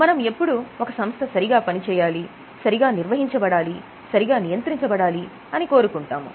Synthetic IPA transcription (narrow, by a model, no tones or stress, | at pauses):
mɐnɐme̞pːuɽuokɐsɐmst̪ʰɐsɐɾiɡaːpɐnit͡ʃɛːjaːli | sɐɾiɡaːniɾʋɐɦiɲt͡ʃɐbɐɽaːli | sɐɾiɡaːnijɐnt̪ɾiɲt͡ʃɐbɐɽaːli | ɐniko̞ːɾukuɳʈaːmṵ